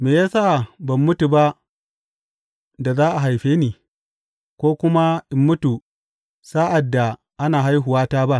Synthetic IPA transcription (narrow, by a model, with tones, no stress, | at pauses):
meː˨jaː˦saː˦˨bɐ˨mːʊ˦tu˨ba˦ʔ | da˨zaː˦ʔa˨ɦa˨jɸeː˦niː˨ | kʷoː˦kʷʊ˦ma˦ʔɪ˨mːʊ˦tu˨ | sa˦ʔa˨dːa˨ | ʔa˦naː˨ɦa˦jɦʊ˨waː˦taː˦ba˦ʔ